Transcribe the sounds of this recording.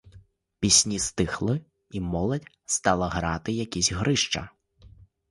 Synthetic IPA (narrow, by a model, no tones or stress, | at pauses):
pʲisʲnʲist̪ɪxlˠɪ | imɔlˠɐdʲ | st̪ɑlˠɐɦɾɑt̪ɪjɐkʲizʲɦɾɪʃt͡ʃɐ̰